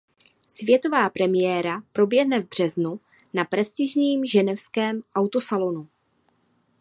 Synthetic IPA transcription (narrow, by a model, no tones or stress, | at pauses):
svjɛt̪o̞vaːpɾɛmɪjɛːɾapɾo̞bjɛɦnɛvbr̝̥ɛznu | napɾɛst̪ɪʒɲiːmʒɛnɛfskɛːmʔawt̪osalo̞nu